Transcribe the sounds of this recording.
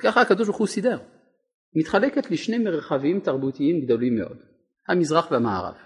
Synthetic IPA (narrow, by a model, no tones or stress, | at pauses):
kaχahakad̪oʃ̬baʁχusid̪eʁ | mit̪χaleket̪leʃnejmeʁχavimt̪aʁbut̪iimɡd̪o̞limːḛʔo̞̰d̪̥ | hamizʁaχvehamaa̰ʁa̰v